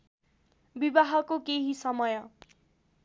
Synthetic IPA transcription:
bibaɦʌkokeɦisʌmʌjʌ

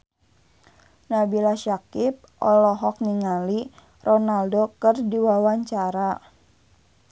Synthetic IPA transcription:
nabilaʃakip̚ʔɔlɔɦɔk̚niŋali | rɔnaldokərdiwawaɲt͡ʃaɾa

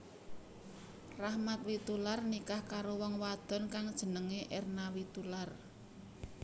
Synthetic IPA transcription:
rahmat̪̚wit̪ularnikahkaɾowɔŋwad̪̥ɔ̤nkaŋd̥ʒ̥ə̤nəŋeʔernawit̪ular

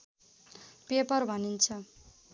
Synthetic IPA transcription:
pepʌrbʱʌnint͡sʰʌ

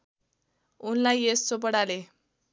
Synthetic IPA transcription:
unlajessop̬əɽale

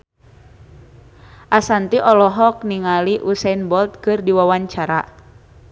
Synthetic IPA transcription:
ʔasant̪iʔɔlɔɦɔk̚niŋaliʔusainbɔlt̪̚kɨrdiwawaɲt͡ʃaɾa̰

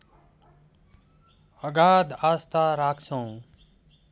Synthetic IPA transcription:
ʌɡaːd̪aːst̪aːɾaːkʰt͡sʰʌ̃w̃

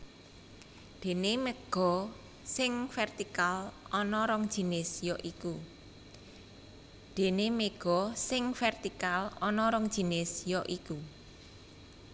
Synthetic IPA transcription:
d̪̥e̤nemeɡ̥ɔ̤ | sɪŋfɛrt̪ikalɔnɔɾɔŋd̥ʒ̥i̤nɪsjɔʔiku | d̪̥e̤nemeɡ̥ɔ̤sɪŋfɛrt̪ikalɔnɔɾɔŋ̥ʒ̥i̤nɪsjɔʔiku

